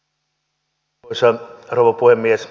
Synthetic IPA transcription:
sɑrouʋɑpuhemːies

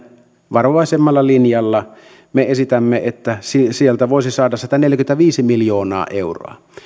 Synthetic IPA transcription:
ʋɑroʋɑˑesemːɑlːɑlinjɑlːɑ | meesit̪æmːeet̪ːæsisielt̪æʋoˑesisɑːdɑssit̪æneljkymnæʋiːsimiljoːnɑ̰ːʔeuro̰ɑ̰

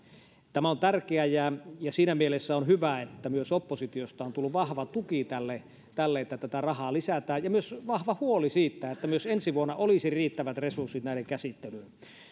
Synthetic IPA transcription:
t̪æmæont̪ærkeæjæjɑsiːnæmielesːæonhyʋæet̪ːæmyøsopːosit̪iost̪ɑont̪ulːuʋʋɑhʋɑt̪ukit̪ælːe | t̪ælːeet̪ːæt̪æt̪ærɑhɑːlisæt̪æːjjɑmyøsʋɑhʋɑhuolisiːt̪ːæet̪ːæmyøsensiʋuonːɑolisiriːt̪ːæʋæt̪resursːit̪næˑiɾeŋkæsit̪ːelyːn

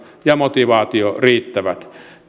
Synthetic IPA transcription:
jɑmot̪iʋɑːt̪ioriːt̪ːæʋæt̪

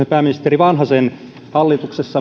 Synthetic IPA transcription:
epæːminist̪eriʋɑnhɑsen | hɑlːit̪uksesːɑ

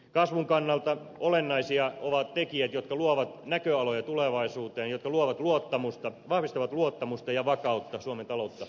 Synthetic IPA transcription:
kɑsʋuŋkɑnːɑlt̪ɑ | olenːɑisiɑoʋɑt̪t̪ekiæt̪jot̪kɑluoʋɑt̪nækøɑlojɑt̪uleʋɑisuːt̪eːnjot̪kɑluoʋɑt̪luot̪ːɑmust̪ɑʋɑhʋist̪ɑʋɑt̪luot̪ːɑmust̪ɑjɑʋɑkɑut̪ːɑsuoment̪ɑlout̪ːɑ

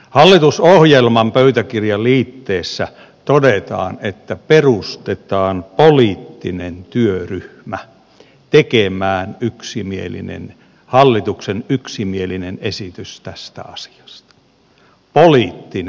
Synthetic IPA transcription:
hɑlːit̪usohjelmɑmpøyt̪ækirjɑliːt̪ːeːsːæ̰ | t̪odet̪ɑ̰ːnet̪ːæperust̪et̪ɑːnpoliːt̪ːinent̪yøryhmæ | t̪ekemæːnyksimiḛlḭnḛn | hɑlːit̪uksenyksimielinenesit̪yst̪æst̪æ̰ɑsi̥ɑ̥st̪ɑ̥ | poliːt̪ːin

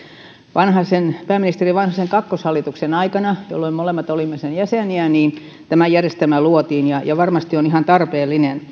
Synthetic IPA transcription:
ʋɑnhɑsenpæːminist̪eriʋɑnhɑseŋkɑkːoshɑlːˑit̪uksenɑikɑnɑjo̰lːoimmolemːɑt̪olimːesenjæseˑniæniːn | t̪æmæjærjest̪æmæluot̪iːnjɑjɑʋɑrmɑst̪ionihɑnt̪ɑrpeːlːinen

